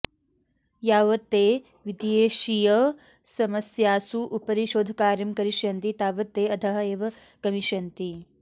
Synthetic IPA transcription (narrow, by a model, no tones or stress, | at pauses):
jaːʋɐt̪ːeː | ʋid̪jeːʃijɐ | sɐmɐsjaːsuʔupɐɾiʃoːd̪ʱɐkaːɾjɐmkɐɾiʃjɐnt̪it̪aːʋɐt̪ːeːɐd̪ʰʱɐɦɐeːʋɐ | kɐmiʃɐnt̪i